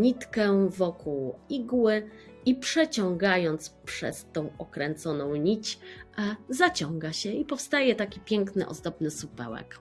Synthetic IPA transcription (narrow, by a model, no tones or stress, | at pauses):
ɲit̪kɛvɔkuwiɡwɘipʂɛt͡ɕɔ̃ŋɡajɔnt̪spʂɛ̰st̪ɔ̃w̃ɔkɾɛnt̪sɔnɔ̃w̃ɲit͡ɕ | zat͡ɕɔ̃ŋɡaɕɛipɔfst̪ajɛt̪akʲipʲjɛŋknɘ̰ʔɔ̰zd̪ɔbnɘsupɛ̰wɛ̰k